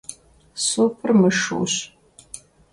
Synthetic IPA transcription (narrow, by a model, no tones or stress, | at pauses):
soːpʰɨrmɨʂɨ̰ːɕ